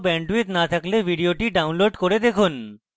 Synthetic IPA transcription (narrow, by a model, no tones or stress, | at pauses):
bɛɳɖuet̪nat̪ʰaklebʱiɖioʈiɖawnloɖkoɾed̪ekʰun